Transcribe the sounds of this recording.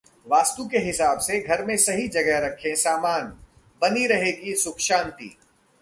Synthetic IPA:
ʋaːst̪ukeɦɪsaːbseɡʱɐɾmẽsɐɦid͡ʒɐɡəɾɐkʰːẽsaːmaːn | bɐniɾɐɦeɡisʊkʃãːnt̪ḭː

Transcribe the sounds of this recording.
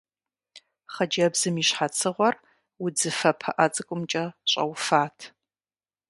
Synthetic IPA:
χɐd͡ʒɐbz̥ɨmiɕħat͡sʰɨʁʷɔr | wʊd͡zɨfɐpʰɐʔɐt͡sʼɨkʷʼʊmt͡ʃʼɐɕʼɐ̰wfaːtʰ

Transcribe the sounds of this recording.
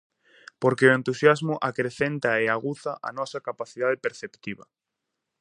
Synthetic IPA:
poɾkeoẽnt̪usjazmʊʔakɾeθent̪aeaɣuθaʔa̰nɔsakapaθiðaðepeɾθept̪iβɐ̰

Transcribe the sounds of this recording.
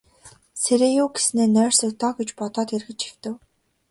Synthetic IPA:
seɾeːjʊːɡe̥sneːnœːr̥sə̆kt̪ʰɔːɡet͡ɕpɔt̪ɔːt̪erɣɘ̆t͡ɕi̥xt̪ɘ̆w

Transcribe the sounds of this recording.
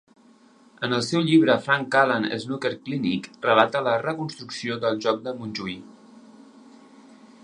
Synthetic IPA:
ənəlˠsɛwʎiβɾəfɾaŋkalənə̰znukeɾklinḭkrəlat̪ələrəkunst̪ɾuksioðəlˠʒɔk̚d̪əmunʲʒui

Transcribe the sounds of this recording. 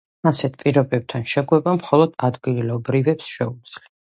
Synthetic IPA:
asɛt̪̚ʰpʼiɾɔbɛb̚t̪ʰanʃɛɡwɛbamχɔlˠɔd̪̥ad̪ɡilɔbɾivɛpsʃɛud̪z̥li

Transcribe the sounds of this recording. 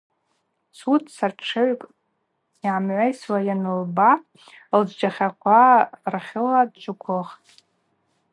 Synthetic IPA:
sutʰʼsarʈ͡ʂʰɨʕkʼ | iʕamʕʷajswajanɨlba | ld͡ʒd͡ʒaχʲakʷʰarχʲɪladt͡ʃʷʰʼʊkʷʰoχʼ

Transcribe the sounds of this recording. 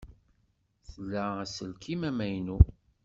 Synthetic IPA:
θəlːææsəlkʰimæmæjnu

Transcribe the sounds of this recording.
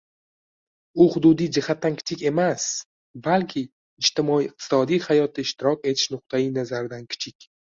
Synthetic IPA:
ʊhʊd̪ud̪ijd͡ʒɪhat̪ːankʰʲɪ̥t͡ʃʰɪkʲe̞mas | balkʲʰɪ | ɪd͡ʒt̪ʰɪmɒiːq̚t̪ʰɪ̥sɒd̪ijhajɒt̪ʰɪɪʃt̪ɪɾɒkʲe̞t̪ʰɪ̥ʃnʊq̚t̪ʰajinazaɾɪd̪ankʲʰɪ̥t͡ʃʰɪkʲ

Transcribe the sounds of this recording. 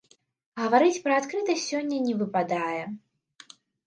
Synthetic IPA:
ɣɐvaɾɨt͡sʲpɾɐat̪kɾɨt̪ɐsʲɔnʲːɐnʲɛvɨpad̪ajɛ

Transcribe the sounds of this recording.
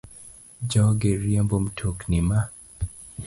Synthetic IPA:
d͡ʒɔɡeɾjiambom̩tʰoknima

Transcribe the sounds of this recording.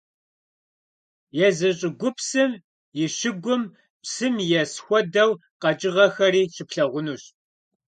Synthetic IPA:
jɛzɐɕʼɪɡʷʊpsɨm | jɪɕɪɡʷʊm | psɨmjɛsxʷɔdɐwqɐt͡ʃʼɪʁɐxɐɾiːʃɪpɬɐʁʷʊnuːɕ

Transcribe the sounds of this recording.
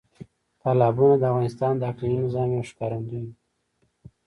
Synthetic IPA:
t̪ɑlɑbunad̪əavɣɑnɪst̪ɑnd̪əaklaɾinɪzɑmjawʃkɑɾand̪uji

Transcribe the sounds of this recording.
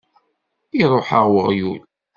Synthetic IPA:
iɾˤoħəʁwəʁjṵl

